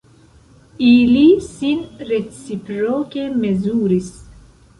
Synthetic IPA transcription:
ilisinret͡sipɾoːkemezuːɾis

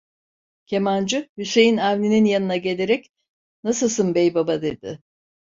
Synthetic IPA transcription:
cʲʰe̞mand͡ʒɯhyse̞jinavnʲininjanɯnaɟe̞lʲe̞ɾɛc | nasɯlˠsɯnbejbabad̪e̞d̪ɪ

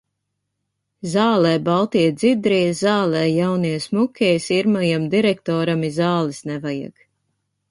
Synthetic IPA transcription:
zaːlɛːbalˠt̪ijd̪zid̪ɾizaːlˠɛːjawnijɛsmukʲɛjsiɾmajamd̪iɾɛk̚t̪ɔːɾamizaːlˠisnɛvaja̰ɡ̥

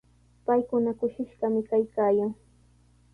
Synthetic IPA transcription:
pajkʊnakʊʃɪʃɢɑmɪkajkaːjaŋ

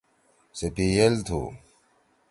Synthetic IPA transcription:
sepielt̪ʰṵ

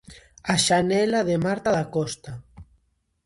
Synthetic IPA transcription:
aʃanɛlaðemaɾt̪aðakɔst̪a

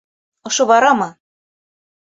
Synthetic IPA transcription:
ɤ̆ʃɤ̆βɑɾɑmɤ̆

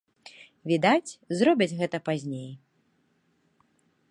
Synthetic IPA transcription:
vʲid̪at͡sʲzɾɔbʲɐt͡sʲɣɛt̪ɐpazʲnʲej

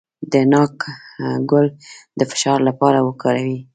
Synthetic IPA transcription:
d̪ənɑkɡʊld̪əfɪ̥ʃɑɾlapɑɾawəkɑɾawi

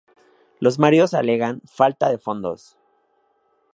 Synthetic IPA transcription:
lo̞zmaɾio̞sale̞ɣanfalt̪aðe̞fo̞nd̪o̞̰s

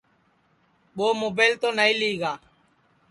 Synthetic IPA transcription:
ɓoːmoːbeːlt̪oːnaiːliːɡaː

